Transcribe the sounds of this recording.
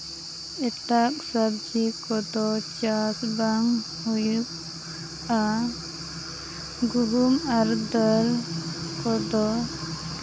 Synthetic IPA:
ɛt̪ak̚sabd͡ʒikɔd̪ɔt͡ʃasbaŋ | hujup̚ | a | ɡuɾumaɾd̪əlkɔd̪ɔ

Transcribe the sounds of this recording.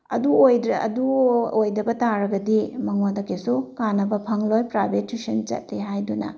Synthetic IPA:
ɐ̰duojdɐ̰duojdɐbɐtaɾɐɡɐdimɐŋodɐkesukanɐbɐpʰɐŋlojpɾabetːisent͡ʃɐ̰t̚lihajdunɐ̰

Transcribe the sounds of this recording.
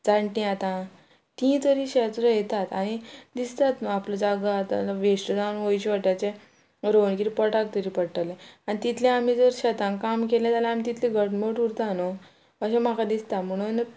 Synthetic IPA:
d͡zaɳʈĩat̪ã | t̪ĩt̪əɾiɕet͡sɾəjt̪at̪aɽ̃id̪ist̪at̪nəapləd͡zaɡat̪a̰ʋeʂʈəd͡zanʋojɕʋaʈjat͡ɕẽ | ɾoɳkiɾipɔʈak̚t̪əɾiːpəɽʈəlẽanit̪it̪ʰlẽam̤id͡zəɾɕat̪ãkamkelɛ̃t̪alãamit̪it̪ʰliɡʱəʈmoʈuɾt̪ano | əɕẽm̤akʰad̪ist̪am̤əɽ̃un

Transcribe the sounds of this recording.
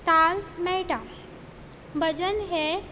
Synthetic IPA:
t̪almɛʈa | bʱəd͡ʑənɦe

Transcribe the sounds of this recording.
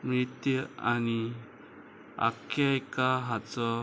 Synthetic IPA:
mɾit̪jani | a̰kʰajkaɦat͡sɔ

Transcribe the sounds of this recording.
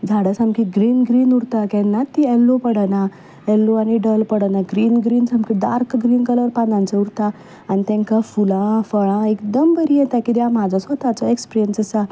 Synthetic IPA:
d͡zʱaɽəsamkiɡɾiːnɡɾiːnuɽt̪akɛ̃nːat̪ːiɛlːopəɽəna | ɛlːoañiɖəlpəɽənaɡɾiːnɡɾiːnsɦamkiɖ̪a̰ɾkɡɾiːnkələɾpanãnt͡seuɾt̪a | anit̪ɛ̃ŋkafulãfəɭãekd̪əmbəɾijɛt̪akid̪jam̤ad͡zʱasət̪at͡sɔekspiɾijənsəsa

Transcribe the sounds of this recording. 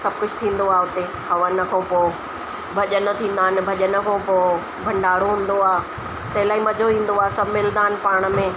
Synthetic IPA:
sɐb̚ʱkʊd͡ʑʱt̪ʰĩːn̆d̪oaːʊt̪e | hɐʋənɐkʰõːpoː | bʱɐʄənɐt̪ʰĩːn̆d̪aːɪnɪ̆bʱɐʄənəkʰõːpoː | bʱɐ̃ɳɖaːɽoɦũːnd̪oaː | t̪ɐɦɪlaːimɐd͡ʑʱoʋĩːn̆d̪oaːsɐbʱmɪld̪aːn̆paːɽ̃̆mẽː

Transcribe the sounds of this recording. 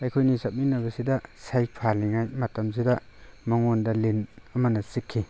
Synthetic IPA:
ajkʰojnisap̚ninɐβɐsidɐsajk̚pʰaliŋajmɐtɐms̬idɐmɐŋondɐlinɐmɐnɐsikʰːi

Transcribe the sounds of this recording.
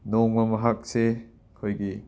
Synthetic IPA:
nɔŋmɐmɐɦak̚se | kʰojki

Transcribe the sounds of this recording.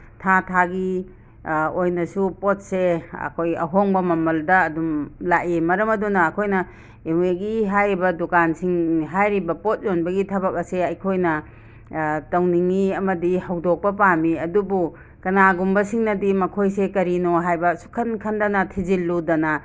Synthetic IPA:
tʰatʰaɡi | ojnɐsupot̚seɐ̰kʰojɐ̰ɦoŋbɐmɐmɐldɐɐdumlaʔimɐɾɐmɐdunɐːkʰojnɐ | eweɡiɦajɾibɐdukansiŋɦajɾibɐpot̚zonbɐɡitʰɐbɐk̚ɐseɐjkʰojnɐ | tɐwniŋiɐmɐdihɐwdok̚pɐpamiɐdubu | kɐnaɡumbɐsiŋnɐdimɐkʰojsekɐɾinoɦajbɐsu̥kʰɐnkʰɐndɐnɐtʰizilːudɐnɐ

